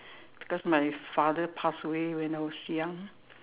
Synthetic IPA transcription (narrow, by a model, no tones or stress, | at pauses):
b̥i̥kɔsmaɪfaðəpʰasəwewɛ̃nawɔsjãŋ